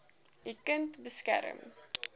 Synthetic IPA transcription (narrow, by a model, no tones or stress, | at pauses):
dikəntbəskæ̰ɾə̰m